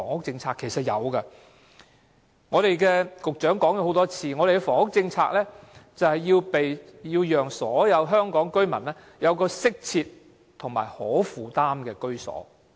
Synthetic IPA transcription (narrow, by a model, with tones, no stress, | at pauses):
ŋʊ˥k̚t͡sɪ˧ŋt͡sʰaː˧kʰːe˨˩jsɐ˨t̚jɐ̰˨˧wkɐ˧ | ŋɔː˨˧ɾe˨jkɛː˧kʊ˨k̚t͡ʃœː˨˥ŋkɔː˨˥ŋjɐ˨˧who˨˦wt̪ɔː˥t͡sʰiː˧ŋɔ˨˧ɾe˨ɡɛ˧fɔː˨˩ŋʊ˥k̚t͡sɪ˧ŋt͡sʰa̰ː˧k̚lɛː˥t͡sɐ˨whɐ˨jːiː˧wpe˨jjiː˧wjœː˨ŋsɔ̰ː˨˥jɐ˨˧wɦœː˥ŋkɔː˨˥ŋkɵ˥ɥmɐ˨˩nlɛː˥ | jɐ˨˧wkɔː˧sɪ˥k̚t͡sʰiː˧t̪̚ | t̪ʰʊ˨˩ŋma̰ː˨˩jhɔː˨˥fuː˨˩t̪aː˥mkɛː˧kɵ˥ɥsɔ̰ː˨˥